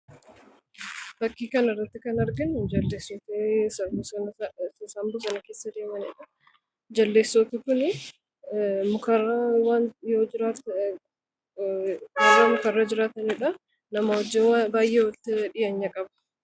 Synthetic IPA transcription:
b̥ɐkːiːkɐnɪrːɐt̪ːɪkɐnɐɾɡɪnd͡ʒɐlːeːsɔt̪eɐbʊɐsɐmbʊsɐnɐkeːsːɐd̪e̞ːmɐneᶑɐ | d͡ʒɐlːeːsːɔt̪ɪkʊnɪ | mʊkɐrːɐwanjoːd͡ʒɪɾaːt̪ | jɐmʊkɐrːɐd͡ʒɪɾaːt̪ɐnɪᶑɐ | nɐmɐwɔd͡ʒɛwbaːjʔeːwɐt̪ːɪᶑɪjɐɲːɐkʼɐbɐ̥

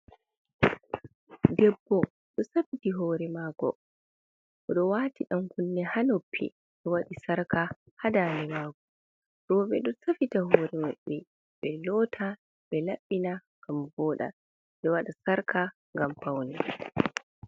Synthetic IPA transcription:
dɛbːɔ | ɗɔsafitiɦɔːɾɛmaːkɔ̰ | kɔɗɔwaːtiɗamkunːɛhanopʰːḭ | ɗɛwaɗisaɾka | hadanɛmaːkɔ | ɾɔbɛ̰ɗɔsafitaɦɔːɾɛma̰ɓːɛ | ɓɛlɔtʰa | ɓɛlaɓːina | ɡ̥ambɔːɗa̰ | ɗɛwaɗasaɾkʰa | ŋɡampawnɛ

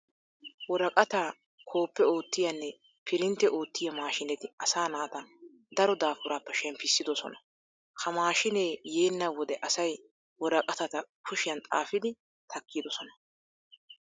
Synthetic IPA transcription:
wɔɾɐkʼɐt̪aː | kʰo̞ːpːɛo̞ːt̪ːɪjɐnːɛ | pʰɪɾɪnt̪ːɛʔo̞ːt̪ːɪjɐmaːʃɪnɛt̪ɪɐsaːnaːt̪ɐ | d̪ɐɾɔd̪aːfʊɾaːpːɛʃɛmpːɪsːɪd̪ɔsɔ̰nɐ | kʰɐmaːʃɪneːje̞ːnːɐwɔd̪ɛʔɐsɐj | wɔɾɐkʼɐt̪ɐt̪ɐkʰʊʃɪjɐnt̪ʼa̰ːfɪd̪ɪ | t̪ʰɐkːid̪ɔsɔnɐ

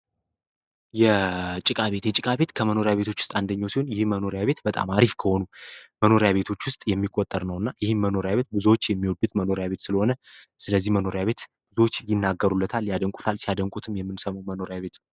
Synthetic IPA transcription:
jɛt͡ʃʼɪkʼaβe̞t̪jɛt͡ʃʼɪkʼaβe̞t̪kʰəməno̞ɾjaβet̪ʰo̞t͡ʃːwʊst̪ʼand̪əɲːawsiho̞njɪhməno̞ɾjaβe̞t̪bət̪ʼa̰maɾifkʰəho̞numəno̞ɾjaβe̞t̪ʰo̞t͡ʃːwʊst̪ʼjɛmːikʼːot̪ʼːəɾnəwɨnːajɪhɨnməno̞ɾjaβe̞t̪̚bɨzuwot͡ʃːjɛmːiwɔd̪ut̪məno̞ɾjaβe̞t̪sɨləho̞nəsɨləzːihməno̞ɾjaβe̞t̪b̥ɨzuwot͡ʃːjɪnːaɡːəɾulːət̪ʰaljad̪əŋkʼut̪ʰalsijad̪əŋkʼut̪ʰɨmjɛmːɨnsəmawməno̞ɾjaβe̞t̪

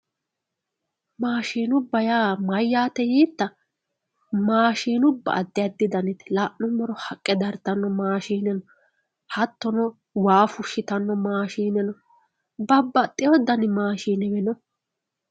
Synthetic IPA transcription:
maːʃiːnʊbːɐjaːmɐjːaːt̪ɛjiːt̪ːɐ | maːʃiːnʊbːɐ̰ʔːd̪ːɪjɐd̪ːɪd̪ɐnɪt̪ɪlaːʔnʊmːɔɾɔhɐkʼːɛd̪ɐɾt̪ːɐnːɔmaːʃiːnɛnɔ | hɐt̪ːɔnɔ | waːfʊʃːɪt̪ɐnːɔmaːʃiːnɛnɔ | bɐbːɐt̪ʼːɪjɔd̪ɐnɪmaːʃiːnɛmɛnɔ

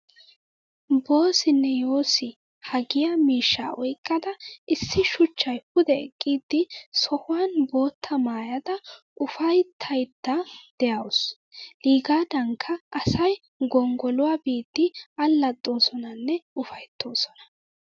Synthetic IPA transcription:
bo̞ːsɪnːɛjo̞ːsɪ | hɐɡɪjamiːʃːa̰ːʔɔjkʼːɐd̪ɐʔɪsːɪʃʊt͡ʃːɐjpʊd̪ɛɛkʼːiːd̪ːɪsɔhʊwanbo̞ːt̪ʰːɐmaːjɐd̪ɐ | ʔʊfɐjt̪ʰːɐjt̪ːɐd̪̥ɛjɐws | liːɡaːd̪ɐŋkʰːɐʔɐsɐj | ɡɔŋɡɔlʊwaːbiːd̪ːɪɐlːɐt̪ʼːo̞ːsɔnɐnːɛʊfɐjt̪ʰːo̞ːsɔnɐ̥

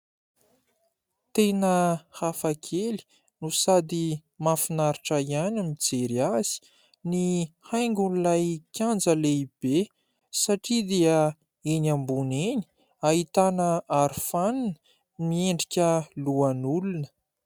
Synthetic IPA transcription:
t̪enəhafakʰeli̥ | nusad̪imafinaɾiʈ͡ʂaianamid͡zeɾiaz̥i̥ | nihajŋɡunlajkʲjand͡zəleib̥e | saʈ͡ʂid̪eə | enambuneni̥ | aɦit̪anəʔaɾufaninə̥ | mieɳɖ͡ʐikʲəluanulunə̥

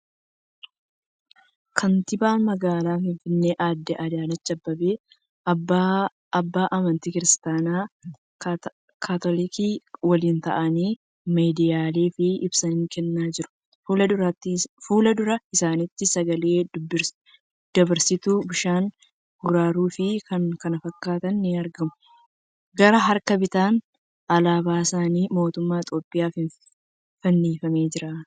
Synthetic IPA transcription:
kʰɐnt̪ɪbaːnmɐɡaːlaːfɪɱfɪnːeːʔaːd̪ːɛʔɐd̪aːlɐt͡ʃːɐbːɐbeː | ɐbːaːʔɐmɐnt̪iːkɪɾɪst̪aːnaː | kʰaːt̪ɔlɪkiːwɐliːnt̪ɐ̰ʔɐniː | meːd̪ɪjaːle̞ːfɪʔɪbsɐnɪŋkɛnːaːd͡ʒɪɾʊ̥ | lɐd̪ʊɾt̪ːɪfuːlɐd̪ʊɾɐɪsaːnɪt̪ːɪsɐɡɐle̞ːb | d̪̥ɐbɐɾsɪt̪ubɪʃaːn | ɡʊɾaːɾuːfɪkɐnkɐnɐfɐkːaːt̪ɐnːɪɐɾɡɐmʊ̥ | ɡɐɾɐɦɐɾkɐbɪt̪aːn | ɐlaːbaːɪsaːniːmo̞ːt̪ʊmːaːɪt̪ʼo̞ːpʼːɪjaːfɪn | fɐnːiːfɐmeːd͡ʒɪɾɐ

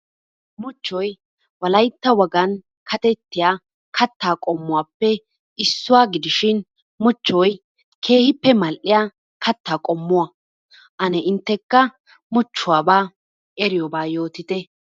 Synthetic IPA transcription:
mʊt͡ʃːɔj | wɐlɐjt̪ːɐwɐɡɐn | kʰɐt̪ɛt̪ːɪjaː | kʰɐt̪ːaːkʼɔmːʊwaːpːɛ | ɪsːʊwaːɡɪd̪ɪʃɪn | mʊt͡ʃːɔj | kʰe̞ːhɪpːɛmɐlʔɪja | kɐt̪ːaːkʼɔmːʊwa | ʔɐnɛɪnt̪ːɛkːɐ | mʊt͡ʃːʊwaːbaː | ʔɛɾɪjɔbaːjo̞ːt̪ɪt̪ɛ

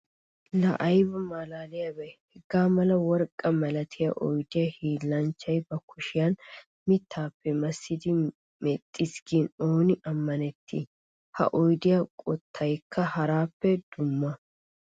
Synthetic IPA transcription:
lɐ̰ʔɐjbɐmalaːlɪjɐbɛjhɛɡːaːmɐlɐwɔɾkʼːɐmɐlɐt̪ʰɪjɐʔɔjd̪ɪjɐhiːlːɐnt͡ʃːɐjbɐkʰːʊʃɪjɐn | mɪt̪ʰːaːpːɛmɐsːɪd̪ɪ | mɛt̪ʼːɪsɡinoːnɪʔɐmːɐnɛt̪ʰːḭ | hɐ̰ʔɔjd̪ɪjakʼɔt̪ʰːɐjkʰːɐhɐɾaːpːɛd̪̥ʊmːɐ

